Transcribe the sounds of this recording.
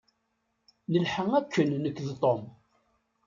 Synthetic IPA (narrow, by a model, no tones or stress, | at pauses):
nəlħəŋækʰːənːəkːðt̪ˤːom